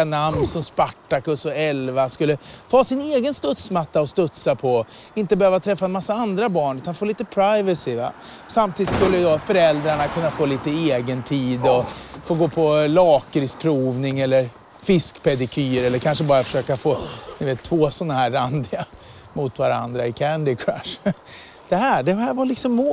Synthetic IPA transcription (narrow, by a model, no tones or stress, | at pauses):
anamnsɔmspaʈːakɵsɔɛlvaskɵlːəfoːsɪneːɡənst̪ɵt̪smat̪ːaɔst̪ɵt̪sapʰɔɪnt̪əbɛhøːvat̪ʰɾɛfːaɛnmasːaand̪ɾabɑːɳʉ̟t̪anfoːliːt̪əpʰɾaɪvəsɪva̰samt̪ʰiːd̪t̪skɵlːəd̪ɔfœɾɛld̪ɾaɳakʰɵnːafoːliːt̪əeːɡənt̪ʰiːd̪ɔfoːɡoːpʰɔlɑːkəɾspʰɾuːvnɪŋɛlːəɾ | fɪskpʰɛd̪ɪkʰyːɾɛlːəɾkʰanʂəbɑːɾafœ̥ʂøːkafoːd̪ɵveːt̪ʰːvoːsɔnːahæːɾːand̪ɪa | mʊt̪vaɾa̰nd̪ɾaɪkʰænd̪ɪkʰɾaʂ | d̪̥ɛɦæːɖɛhæːɾvalɪksɔmːoː